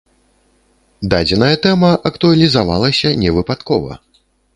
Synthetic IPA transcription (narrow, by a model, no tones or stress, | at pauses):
d̪ad͡zʲɛnɐjɐt̪ɛmɐʔɐkt̪uɐlʲizavalˠɐsʲɐnʲɛvɨpat̪kɔvɐ̰